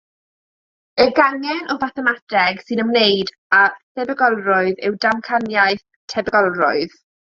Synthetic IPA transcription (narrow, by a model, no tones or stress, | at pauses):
əɡaŋjɛnʔɔvaθɛmatʰɛɡsɨnəmnejd | atʰɛbɛɡɔlˠrʊɨðɪwdamkʰanjajθ | tʰɛbəɡɔlˠrʊɨð̥